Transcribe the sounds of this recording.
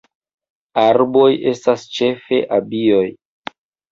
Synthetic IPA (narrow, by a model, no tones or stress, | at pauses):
aɾbo̞je̞stast͡ʃe̞fe̞̰ʔabio̞j